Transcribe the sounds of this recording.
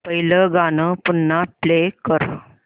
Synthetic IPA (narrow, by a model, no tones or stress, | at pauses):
pəɦiləɡanəpunːaplekəɾ